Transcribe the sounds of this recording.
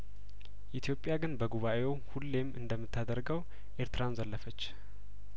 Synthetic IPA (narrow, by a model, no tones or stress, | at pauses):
ʔit̪ʰijo̞pʼjaɡɨnbəɡuβaʔe̞whulːe̞mɨnd̪əmːɨt̪ʰːad̪əɾɡəw | ʔe̞ɾt̪ɨɾanzəlːəfət͡ʃː